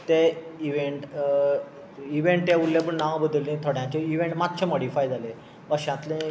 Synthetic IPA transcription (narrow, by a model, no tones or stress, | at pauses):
t̪eiʋeɳʈ | iʋẽɳʈjaulːebəɳnaʋbəd̪lĩt̪ʰoɽjãt͡ɕeiʋẽɳʈmat̪t͡ɕʰemoɽifajd͡zʱale | əɕãt̪lẽ